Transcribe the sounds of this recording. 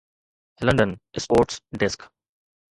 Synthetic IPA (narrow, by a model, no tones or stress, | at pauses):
lʌ̃ɳɖə̃nʔɪspoːɾʈsɖɪsk